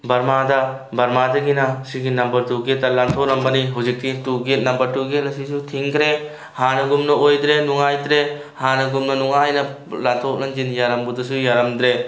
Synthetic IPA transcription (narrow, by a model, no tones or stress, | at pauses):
bɐɾmadɐ | bɐɾmadɐɡinɐsiɡinɐmbɐɾtuɡet̚ːɐlantʰoɾɐmbɐniɦuzik̚tituɡet̚nɐmbɐɾtuɡet̚lɐs̬isutʰiŋkɾe | hanɐɡumnɐojd̪ɾenuŋajd̪ɾe | hanɐɡumnɐnuŋajnɐ | lant̪ʰok̚nɐnd͡ʒinjaɾɐmbudus̬ujaɾɐmd̪ɾe